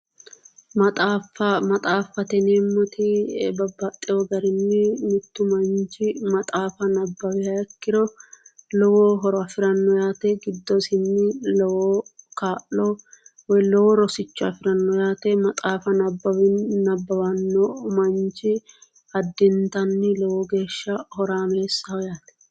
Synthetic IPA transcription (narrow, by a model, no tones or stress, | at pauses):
t̪ʼafɐmɐt̪ʼaːfɐt̪ɛneːmːʊt̪ʰɪbɐbːɐt̪ʼːɪɔɡɐɾɪnːɪmɪt̪ːʊmɐnt͡ʃɪmɐt̪ʼaːfɐnɐbːɐwɪhɐɛkːɪɾɔlɔwoːɦɔɾɔɐfɪɾɐnːɔjaːt̪eɡɪd̪ːɔsɪnːɪlɛwoːkaːʔːɔwɔjlɛwoɾɔsɪt͡ʃːʊɐfɪɾɐnːɔjaːt̪emɐt̪ʼaːfɐnɐbːɐwɪnɐbːɐwɐnːɔmɐnt͡ʃɪ | ɐd̪ːɪnt̪ɐnːɪlɛwoːɡe̞ːʃːɐhɔɾaːme̞ːsːɐjaːt̪ɛ̥